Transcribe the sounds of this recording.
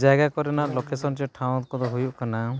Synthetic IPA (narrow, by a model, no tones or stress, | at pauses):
d͡ʒaɡakɔɾɛnaʔlɔkesɔnt͡ʃɔʈʰaw̃ɔt̪kɔd̪ɔɦujuʔkana